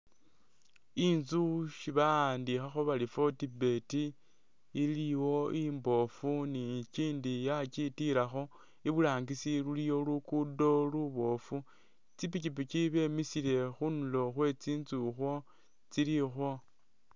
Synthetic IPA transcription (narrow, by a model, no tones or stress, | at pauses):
inzuʃiβandixaxo̞βalifo̞tibe̞tiː | liwo̞imbo̞funit͡ʃiːndijat͡ʃitiɾaxo̞ | iβulaːŋɡisilulijo̞lukudo̞luβo̞fu | t͡sipicip̬it͡ʃiβe̞misile̞xunulo̞xwe̞t͡siːnzuxwo̞ | t͡silixo̞